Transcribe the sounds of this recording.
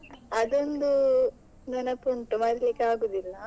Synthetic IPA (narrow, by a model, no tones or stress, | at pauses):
ɐd̪ond̪u | nɐnɐpːuɳʈumɐɾlikːeaːɡuːd̪ilːɐ